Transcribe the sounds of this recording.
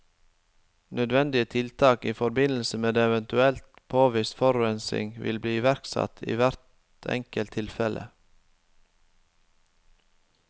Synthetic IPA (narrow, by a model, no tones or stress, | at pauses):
nœd̪ʋɛnd̪ɪət̪ʰɪlt̪ʰɑːkiːfɔɾbɪnl̩səmeːd̪eːɛʋənt̪ʉɛlt̪pʰoːʋɪst̪fɔɾɛnsɪ̰ŋʋɪ̰lbliːʋæɾksɑ̰t̪ʰḭːʋæɾt̪ | ɛ̰ŋkəlt̪ʰɪlfɛlʔə̰